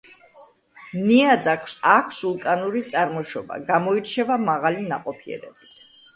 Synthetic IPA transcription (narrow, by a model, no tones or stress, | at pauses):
niad̪akʰsakʷʰsulˠt̪ʼanuɾit̪sʼaɾmɔʃɔba̰ɡamɔiɾt͡ʃʰɛvamaʁalinaqʼɔpʰiɛ̰ɾɛ̰bit̪ʰ